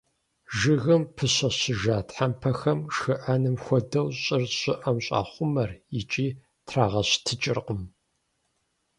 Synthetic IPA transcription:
ʒɨɣɨmpʰɨɕɐɕɪʒaːtħampʰɐxɐmʃɨʔanɨmxʷɔdɐwɕʼɪrɕʼɪʔɐmɕʼa̰ːχʷʊmɐrjɪt͡ʃʼiː | tʰraːʁɐɕtʰɨt͡ʃʼɪrqʼəm

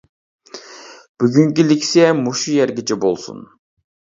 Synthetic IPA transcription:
b̥yɡyŋkʲiliksemuʃijeɾɡʲit͡ʃɪbo̰lˠsṵn

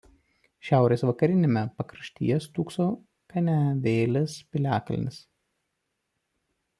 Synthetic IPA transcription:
ʃʲæˑʊɾʲeːsʋɐkɐɾʲɪnʲemʲɛpɐkɾɐʃʲt̪ʲḭːjɛst̪uːksoː | kɐnʲæʋʲeːlʲɛspʲɪlʲæːkɐlʲnʲɪs

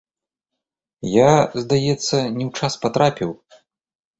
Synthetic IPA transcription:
jazd̪ajɛt̪sːɐnʲɛwt͡ʂaspat̪ɾapʲiw

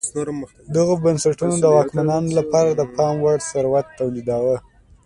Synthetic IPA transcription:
d̪əɣobansaʈunod̪əwɑkmanɑnolapɑɾad̪əpʰɑmwaɽsaɾwat̪ːawlid̪ɑɣə

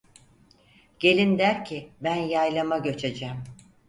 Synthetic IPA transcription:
ɟ̥e̞lʲind̪æɾcʰɪbænjajlˠamaɟø̞t͡ʃʰed͡ʒɛm

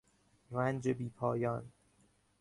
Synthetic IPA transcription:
rænd͡ʒebiːpʰɒːjɒn

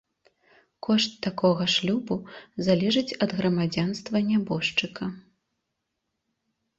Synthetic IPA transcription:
kʰɔʂt̪ːakɔɣɐʂlʲubuzalʲɛʐɨt͡sʲɐd̪ɣɾɐmad͡zʲanst̪vɐnʲabɔʂt͡ʂɨkʰɐ

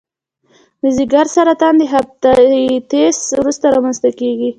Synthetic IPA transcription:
ləziɡaɾsaɾat̪ɑnd̪əɦaft̪at̪eswɾust̪aɾɑmanst̪akeɡi

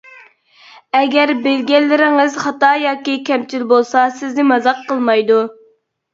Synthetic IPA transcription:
ɛɡʲɛɾbelɡʲɛlːɪɾɪŋɪzχɑt̪ɑjɑːkʲikʲɛmt͡ʃʰilbolˠsɑsɪznɪmɑzɑqʰːəlˠmɑjd̪u

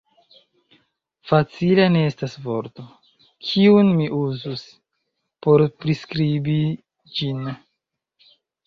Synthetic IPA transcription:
fat͡silene̞estasvo̞ɾto̞ | kʰiunmiʔuzus | po̞ɾpɾiskɾibi | d͡ʒin

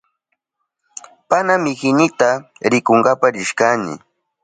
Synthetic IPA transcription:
panamɪkɪnɪt̪aɾɪkoŋɡapaɾɪʃkanɪ̰

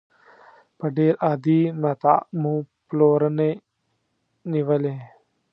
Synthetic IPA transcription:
pɐɖeːɾʔaːd̪iːmɐt̪a̰ːmũːploːɾəne | niʋəlẽː

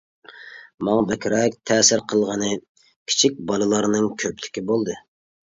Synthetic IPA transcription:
mɑŋɑbɛkʲɾɛk̚ʲt̪ʰɛːsɪɾqʰəlˠʁənɨ | kʲʰi̥t͡ʃʰik̚ʲbɑlˠɨlˠɑɾnɨŋkʲʰøplɪkʲibolˠd̪ɨ

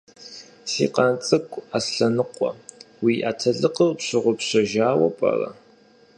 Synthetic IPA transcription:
sḭːqɐnt͡sʼɨkʷʼasɬɐnɨqʷʼɔ̰ | wiːʔaːtʰɐɮɨqəwpɕɪʁʷʊpɕɐʒaːwɐ̰pʼɐ̰rɐ̰

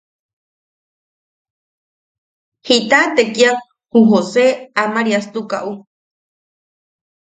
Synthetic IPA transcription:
hit̪at̪ekia | huɦoseamaɾiast̪uka̰ʔu

